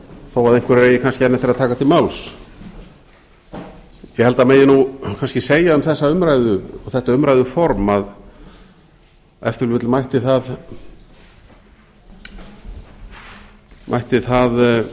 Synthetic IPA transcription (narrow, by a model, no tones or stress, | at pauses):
θawvaɾðejŋkvɪɾɾeːjɪkʰanscɪɛnːɛt̪ɪɾaðt̪ʰaːkat̪ʰɪlmawls | jɛhɛlt̪ameːjɪnukʰanscɪseːjaʏmθɛsːaʏmɾajðʏɔθɛht̪aʏmɾajðʏfɔɾmað | ɛ̰ft̪ʏɾlɪt̪lmajht̪ɪθað | mʔa̰jht̪ɪθað